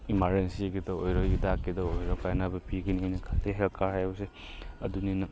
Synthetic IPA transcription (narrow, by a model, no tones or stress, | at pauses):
imaɾensiɡidɐojɾɔjidakːidɐojɾɔkajnabɐpiɡɐnijnɐkʰateɦelkʰaɾɦajbɐse | ɐduninɐ